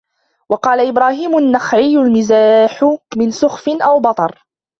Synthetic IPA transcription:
wɑqɑːlaʔɪbɾaːhiːmʊnːaxʕɪjːʊlmɪzaːħʊmɪnsʊxfɪnʔawbɑt̪ˤɑɾˤ

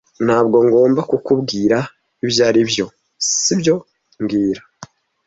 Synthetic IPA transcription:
nhaːbɡo̞ŋɡo̞ːmbakukubɡiːɾa | iβjaːɾibjo̞ | sibjo̞ | ŋɡiːɾa

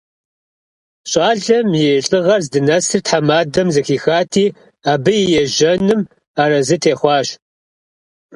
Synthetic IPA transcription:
ɕʼɑːɮɐmjɛɬʼɨʁɐrzdɨnɐsɨrtħamaːdɐmzɐxiːxaːtʰiː | aːbɨjɪjɛʒɐnɨm | aːɾɐzɨtʰeːχʷɑːɕ

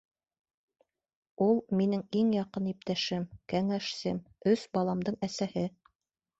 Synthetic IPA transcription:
ulˠminɘŋiŋjɑqɤnip̚t̪æʃɘmkæŋæʃsɘm | ɵsbɑlˠɑmd̪ɤɴæsæhɘ

